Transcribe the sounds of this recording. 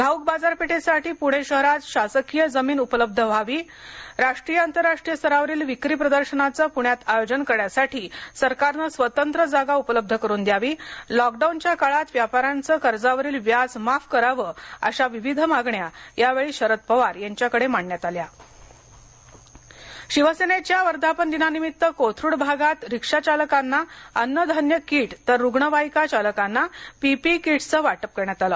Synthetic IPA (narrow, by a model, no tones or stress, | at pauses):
ɡʱauk̚bad͡zaɾpeʈʰesaʈiːpuɽ̤eɕəɦɾat͡sɕasəkijəd͡zəmiːnupələb̚d̪ʱəʋʱaʋiː | ɾaʂʈɾijəənt̪əɾːaʂʈɾijəst̪ʰəɾaʋəɾiːlʋikɾiːpɾəd̪əɾɕənat͡səːpuɳ̃jat̪ajod͡ʑənkəɽjasaʈʰiːsəɾkaɾnəsʋət̪ənt̪ɾəd͡zaɡaupələb̚d̪ʱəkəɾuːnd̪jaʋiːlɔk̚ɖaunt͡ɕjakaɭat̪ʋjapaɾant͡səːkəɾd͡zaʋəɾiːlʋjad͡zmafkəɾaʋəːə̰ɕaʋiʋid̪ʱəmaɡɳjajaʋeɭiːɕəɾət̪̚pəʋaɾjaɲt͡ɕjakəɽemaɳːjat̪alja | ɕiʋəsenet͡ɕjaʋəɾd̪ʱapənd̪inanimit̪ːəkot̪ʰɾuːɽbʱaɡat̪ɾikʂat͡ɕaləkanːaənːəd̪ʱənjəkiːʈt̪əɾːuɡɳəʋajkat͡ɕaləkanːapipikiʈt͡səːʋaʈəp̚kəɾɳjat̪aləː